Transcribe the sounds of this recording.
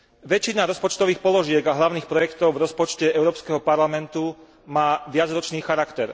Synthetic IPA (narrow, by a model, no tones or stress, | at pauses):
ʋɛt͡ʃːinaɾɔspɔt͡ʃt̪ɔʋiːxpɔlɔʒɪɛɡaɦlaʊniːxpɾɔjɛkt̪ɔʊvɾɔspɔt͡ʃcɛɛʊɾɔːpskɛɦɔpaɾlamɛnt̪u | maːʋɪad͡zɾɔt͡ʃniːxaɾakt̪ɛɾ